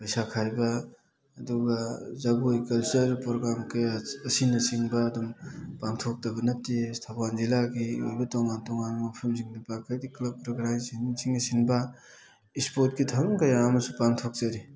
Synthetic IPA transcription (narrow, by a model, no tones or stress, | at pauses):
pɐjsakʰajbɐː | duɡɐzaɡojkɐlt͡ʃɐɾpɾoɡɾamkɐjaɐsinːɐsiŋbɐːdɐmpaŋtʰok̚tɐbɐnɐtːistʰapanzilaɡio̰jbɐtɔŋantɔŋanmɐpʰɐmziŋdɐpakʰajdiklɐb̚pɾoɡɾamsinziŋɐsinbɐ | ispot̚ɡitʰɐwmkɐjaɐmɐsu̥paŋtʰok̚z̥ɐɾi